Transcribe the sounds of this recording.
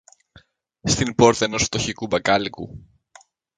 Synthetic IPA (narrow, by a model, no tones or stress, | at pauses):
st̪inpo̞ɾt̪ɐeno̞sft̪o̞çikubɐkɐlikṵ